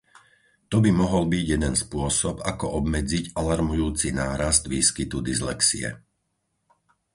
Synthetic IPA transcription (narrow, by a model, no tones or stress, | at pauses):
t̪ɔbimɔɦɔlbiɟjɛd̪ɛnspʊɔsɔbakɔʔɔbmɛd͡ziɟalaɾmujuːt͡sinaːɾazd̪ʋiːskit̪ud̪izlɛksiɛ̰